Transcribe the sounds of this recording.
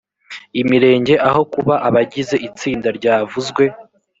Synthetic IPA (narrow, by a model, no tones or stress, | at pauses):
imiɾe̞ːɲɟe̞ʔaho̞kuβaʔaβaɟize̞ʔit͡siːndaɾɟaːvuzɡwe̞